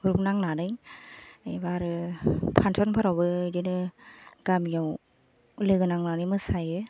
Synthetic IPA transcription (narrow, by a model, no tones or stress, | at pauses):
ɾup̚naŋnanɯj | ɯbaɾɯpʰantʰɔnpʰɔɾɔwbɯdɯnɯɡ̥amijaw | lɯɡɯnaŋnanɯjmɯsajɯ